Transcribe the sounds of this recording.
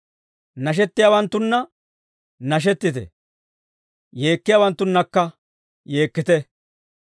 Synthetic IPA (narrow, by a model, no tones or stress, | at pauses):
nɐʃ̬ɛt̪ːɪjaːwɐnt̪ːʊnːɐ | nɐʃ̬ɛt̪ːɪt̪ɛ̰ | je̞ːkːɪjaːwɐnt̪ːʊnːɐkːɐ | je̞ːkːɪt̪ɛ